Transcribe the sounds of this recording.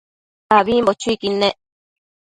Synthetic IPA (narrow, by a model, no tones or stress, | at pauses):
aβiːmbot͡ʃuikineʔ